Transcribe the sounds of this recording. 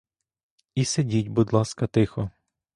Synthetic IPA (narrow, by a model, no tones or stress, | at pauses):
isedʲitʲbʊd̪lˠɑskɐt̪ɪxɔ